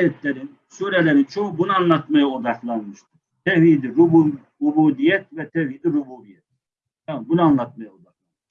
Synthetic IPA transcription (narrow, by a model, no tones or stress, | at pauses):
ajɛt̪lʲɛɾin | søɾɛlʲɛɾint͡ʃʰo̞ubunɯanlˠat̪majaod̪aklˠanmɯʃt̪ʰɯɾ̥t̪ʰɛvid̪iɾubu | ubuːd̪ijɛt̪vɛt̪ʰɛviːd̪iɾubuːbijɛt̪̚ | jabunaanlˠat̪̚majaod̪aklˠan